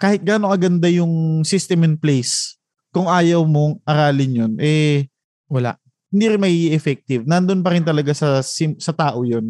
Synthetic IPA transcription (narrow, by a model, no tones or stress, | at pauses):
kaːhɪt̪̚ɡaːnoŋɐɡɐnd̪ajʊŋsist̪ɛmɛnplɛjs | kʊŋʔaːjɐwmoŋʔɐɾaːlɪnjonʔɛ | wɐla̰ʔ | hɪnd̪iːɾɪnmɐɡiiʔɛfɛk̚t̪ɪvnɐnd̪onpɐɾɪnt̪ɐlɐɡasɐsɪmsɐt̪aːʔo̞jon